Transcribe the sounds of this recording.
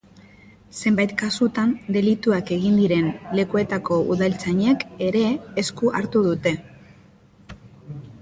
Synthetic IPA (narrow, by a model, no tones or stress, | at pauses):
se̞mbajt̪kasut̪and̪e̞lit̪uake̞ɣind̪iɾe̞nle̞kue̞t̪ako̞ʔṵðalt͡saɲeke̞ɾe̞ːskuʔaɾt̪uðut̪e̞